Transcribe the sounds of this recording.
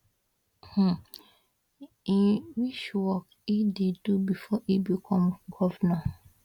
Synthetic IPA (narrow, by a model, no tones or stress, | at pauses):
h̩ | ĩwit͡ʃwɔk | idedubifɔʔibikʰɔ̃mɡɔvna